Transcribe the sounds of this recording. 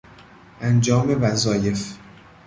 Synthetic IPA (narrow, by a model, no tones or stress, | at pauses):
ʔænd͡ʒɒːme̞væzɒːje̞f